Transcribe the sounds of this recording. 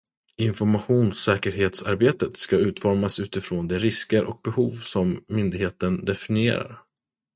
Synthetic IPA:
ɪnfɔɾmaɧuːnsɛːkəɾɦeːt̪saɾbeːt̪ət̪skaʉ̟ːt̪fɔɾmasʉ̟ːt̪ɪfɾoːnd̪ɛɾɪskəɾʔɔk̚bɛhuːvsɔmːʏnd̪ɪɡheːt̪ənd̪ɛfɪnɪḛːɾa̰ɾ

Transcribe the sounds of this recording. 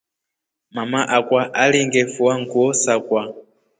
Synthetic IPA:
mamaʔakwaʔaliŋɡɛfuaŋɡuɔsakwa

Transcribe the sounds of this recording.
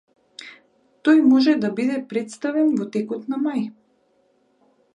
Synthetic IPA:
t̪ɔjmɔʒɛd̪abid̪ɛpɾɛt̪st̪avɛnvɔt̪ɛkɔt̪namaj

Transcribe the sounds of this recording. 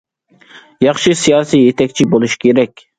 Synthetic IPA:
jɑχʃɨsijɑːsijet̪ʰɛkʲt͡ʃʰibolˠuʃi̥kʲʰeɾɛkʲ

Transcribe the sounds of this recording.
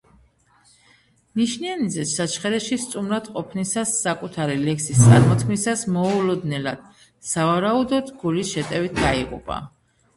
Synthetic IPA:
niʃnianid̪zɛtsat͡ʃʰχɛɾɛʃist̪sʼumɾad̪qʼɔpʰnisasːakʼut̪ʰaɾilɛksist̪sʼa̰ɾmɔt̪ʰkʰmisasmɔulɔd̪nɛlad̪̥ | savaɾaud̪ɔd̪ɡulisʃɛt̪ʼɛvit̪̚ʰd̪aiqʼṵpʼa̰

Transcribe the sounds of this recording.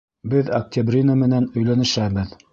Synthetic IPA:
bɘðɐk̚tʲabrʲinamɘ̆nænɵ̆jlænɘ̆ʃæbɘð

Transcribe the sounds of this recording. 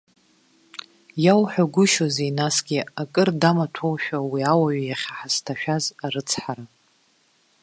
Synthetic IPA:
jawħʷᶣaɡʷʊʃozeinasɡʲiakʼɨrdamatʰowʃᶣawiawaɥjaχʲaħastʰaʃᶣazaɾɨt͡sʰħaɾa

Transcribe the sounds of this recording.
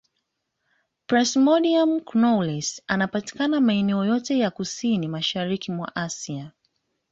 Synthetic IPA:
pɾɛsmɔdiamknɔlɛsanapati̥kanamaɛnɛɔjɔtɛjakusinimaʃaɾikimwa̰ʔasia

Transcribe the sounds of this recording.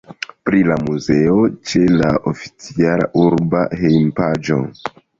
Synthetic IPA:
pɾilamuze̞o̞t͡ʃe̞laʔofi̥t͡siala̰ʔuɾba̰hejmpad͡ʒo̞̰

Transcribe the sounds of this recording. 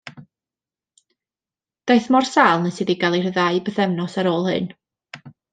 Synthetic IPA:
d̥ajθmɔrsaːlˠnəsɨdiɡalˠir̥əðaɨbəθɛvnɔsaɾoːlˠhɨ̰n

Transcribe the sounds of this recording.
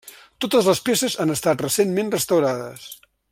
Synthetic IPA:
t̪ot̪əzləspesəzanəst̪at̪rəsenmenrəst̪əwɾaðə̰s

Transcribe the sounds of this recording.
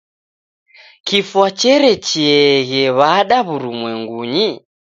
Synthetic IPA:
kifwat͡ʃɛɾɛt͡ʃiɛɣɛβaɗaβuɾumwɛŋɡuɲi

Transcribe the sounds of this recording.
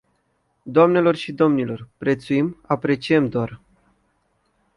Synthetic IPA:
d̪oamne̞lo̞rʃid̪o̞mnilo̞rpɾe̞t̪suimapɾe̞t͡ʃie̞md̪oar

